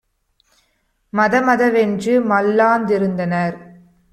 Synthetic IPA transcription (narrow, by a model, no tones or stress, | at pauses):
mɐðɐmɐðɐʋɛndrɯmɐlːaːnd̪ɪɾɯnd̪ɐnɐɾ